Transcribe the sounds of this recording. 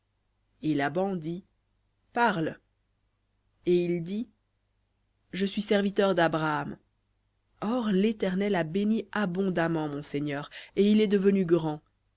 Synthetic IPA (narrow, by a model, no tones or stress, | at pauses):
elabɑ̃d̪i | paʁl | eild̪i | ʒəsɥisɛʁvit̪œʁd̪abʁaam | ɔʁlet̪ɛʁnɛlabeniabɔ̃d̪amɑ̃mɔ̃seɲœːʁeilɛd̪əvənyɡʁɑ̃